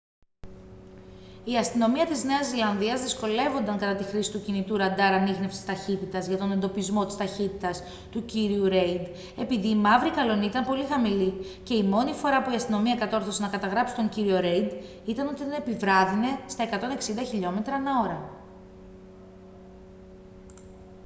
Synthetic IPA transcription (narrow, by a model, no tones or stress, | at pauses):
iɐst̪ino̞miɐt̪izne̞ɐzːilɐnðiɐzðisko̞le̞vo̞nd̪ɐŋkɐt̪ɐt̪ixɾisi̥t̪ucinit̪uɾɐnd̪ɐɾɐnixne̞fsi̥st̪ɐçit̪it̪ɐzʝɐt̪o̞ne̞nd̪o̞pizmot̪i̥st̪ɐçit̪it̪ɐs | t̪uciɾiuɾe̞jd̪ | e̞piðiːmɐvɾikɐlo̞niit̪ɐmpo̞lixɐmili | ce̞imo̞nifo̞ɾɐpuiɐst̪ino̞miɐkɐt̪o̞ɾθo̞senɐkɐt̪ɐɣɾɐpsi̥t̪o̞ɲciɾio̞ɾe̞jd̪ | it̪ɐno̞t̪iðene̞pivɾɐðine̞st̪ɐe̞kɐt̪o̞ne̞ksind̪ɐçiʎo̞me̞t̪ɾɐnɐo̞ɾɐ